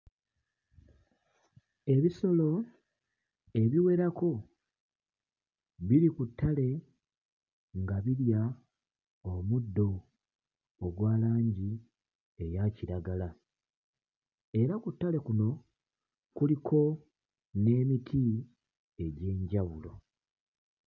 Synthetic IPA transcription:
e̞βiso̞lo̞ | e̞βiwe̞ɾako̞ | βilikutʰːale̞ | ŋɡaβiɾja | omudːo̞ | oɡwaːlaːɲɟi | e̞jaciɾaɡala | e̞ɾakutːale̞kuno̞ | kulikʰo̞ | ne̞ːmitʰi | e̞ɟe̞ːɲɟaβulo̞̰

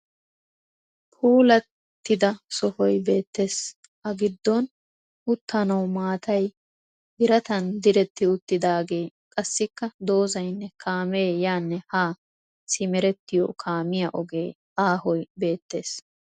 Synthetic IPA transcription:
pʰuːlɐt̪ːɪd̪ɐsɔhɔjbe̞ːt̪ːe̞ːs | ʔɐɡɪd̪ːɔn | ʔʊt̪ːɐnɐwmaːt̪ʰɐj | ɪɾɐt̪ɐnd̪ɪɾɛt̪ːɪʊt̪ːɪd̪aːɡe̞ː | kʼɐsːɪkːɐd̪o̞ːzɐjnːɛkʰaːmeːjaːnːɛhaː | sɪmɛɾɛt̪ːɪjɔ̰kʰaːmɪjɐʔɔɡe̞ː | aːhɔjbe̞ːt̪ːe̞ːs

